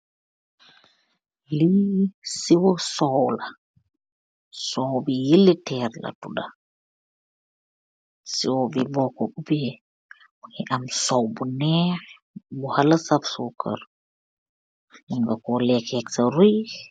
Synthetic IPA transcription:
lisiwɔsɔwla | sɔwbijilːitɛːrla̰tṵda | siwɔbibɔkːɔbubɛ | buɲɛʔamsɔwbunɛh | buhalasabsukə̰ɾ | jiŋɡakɔlɛkɛksaɾuj

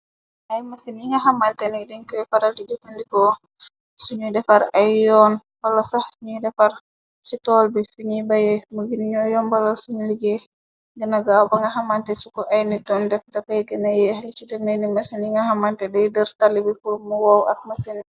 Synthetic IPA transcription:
ʔajmasiniŋaɦamantɛnidɛɲkɔɛfaɾaldid͡ʒukandikɔ | suɲudɛfaɾajjɔn | balɔsahɲudɛfaɾ | sitɔlbifuɲibajɛmuɡiniɲɔjɔnbalalsuɲiliɡɛ | ɡənaɡawbaŋɡaɦamantɛsukɔʔajnitɔndɛfdɛfajɛɡənajɛhlit͡ʃidɛmɛnimasiniŋaɦamantɛdɛjdəɾtalːibifuɾmuwawa̰k̚masin

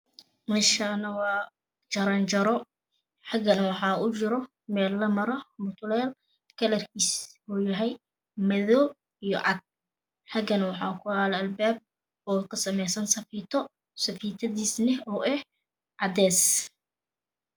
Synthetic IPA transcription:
mɪʃanɐwɑ | t͡ʃɐɾɐnt͡ʃɐɾɔ | ħɑɡɐnwɑħɑːʊt͡ʃɪɾɔ | mɛːlːɐmɐɾɔbʊt̪ʰʊlɛːl | kʰɐlɐrkʰiːsuːjɐɦɛj | mɐðɔː | ijɔ̰ʕɑd̪̚ | ħɑɡɐnwɑħɑ̰ːkʰʊhaːlɛɐlbaːb̚ | ɔːkʰɐsɐmɛjsɐnsɐfiːt̪ʰɔ | sɐfiːt̪ʰɐðiːsnɪɔːʔɛh | ʕɑd̪ɛːs

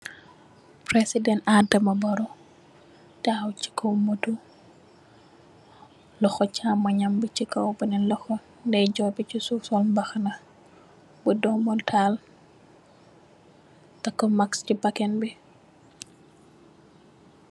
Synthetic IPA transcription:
pɾesidɛnadɛmɐbɔɾɔ | dawt͡ʃi̥kʰɔwmətu | lɔxɔt͡ʃaːmːɐɲambət͡ʃikɔwbənɛnlɔxɔ | ndɛd͡ʒɔbit͡ʃisusɔlbɐxnɐ | budɔmɔltʰal | tɐkːɔmakscibɐkɛnbi

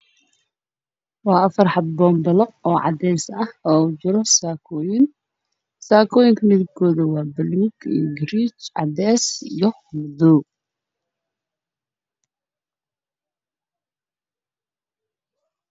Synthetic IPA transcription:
wɑːɐfɐrħɑd̪̚bɔːmbɐlɔɔːʕɑ̰d̪ɛːsɐhɔːt͡ʃɪɾɔsaːkʰɔːjɪn | saːkʰɔːjɪŋkʰɐmɪðɪb̚kʰɔːðɐwɑːbɐluːɡḭːɡɾiːt͡ʃʕɑ̰d̪ɛːsijɔ | mʊd̪ɔː

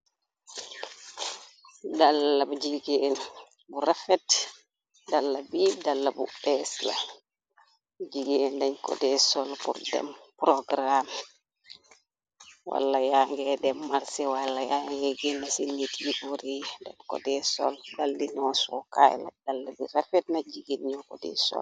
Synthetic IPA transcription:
dalːabud͡ʒiɡɛɛn | buɾafɛt | dalːabidalːabṵbɛsla̰ | d͡ʒiɡɛɛndɛnkɔ̰dɛsɔlpṵɾdɛ̰mpɾɔɡɾam | wʔa̰lːajaŋɡɛdɛmːaɾsɛwalːajaŋɛɡinːasinːitjiʔoɾidɛnkɔ̰dɛsɔ̰ldalːinɔsɔka̰j̰la̰dalːabiɾafɛt̚nad͡ʒiɡinɲɔkɔdɛ̰sɔ̰l

